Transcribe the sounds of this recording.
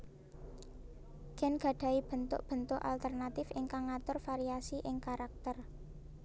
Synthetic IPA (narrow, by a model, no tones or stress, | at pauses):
ɡ̥ɛ̤nɡ̥ä̤ɖ̥a̤ib̥ə̤nt̪ʊ̰ʔb̥ə̤nt̪ʊʔa̰lt̪ərnat̪ɪfɪŋkaŋːat̪ʊrfaɾiasiʔɪŋkaɾak̚t̪ər